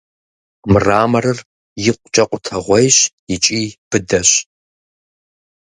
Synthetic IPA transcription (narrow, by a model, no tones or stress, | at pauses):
mɨraːmɐrɨr | jɪqʷʼt͡ʃʼɐqʷʼʊtʰɐʁʷɔjɕ | ɪt͡ʃʼiːb̥ɨdɐɕ